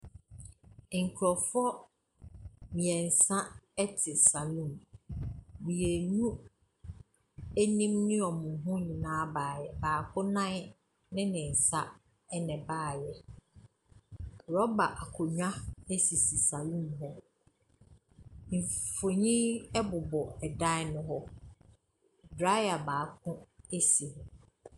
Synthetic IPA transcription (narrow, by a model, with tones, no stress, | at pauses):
ŋ̩˨kʰɾɔ˨fɔ˦ | mĩ˨ɛ˨n̩˨sã˦ɛ˦tʰɪ˨sa˨lũ˦˨m | mĩ˨jɛ˨nũ˦ | æ˦nĩ˦mnɪ̃˦ɔ˨mʊ̃˨ɦʊ̃˦ɲɪ̃˨nãː˦baː˨jɛ˨baː˨kʰʊ˦nã˦ | nɪ̃˦nɪ̃˨n̩˨sa˦ | ɛ˦nɛ̃˨baː˦˨jɛ˨ | ɾɔ˦ba˨ʔa˨kʰʊ˨ɲᶣã˦e˦si˨si˨sa˨lũ˦m˨ɦɔ˦ | m̩˨fo˨ɲĩ˦ɛ˦bʊ˨bɔ˨ɛ˨dã˦nʊ̃˦ɦɔ˦ | dɾa˦ja˨baː˨kʰʊ̃˦e˦si˨hʊ̃˨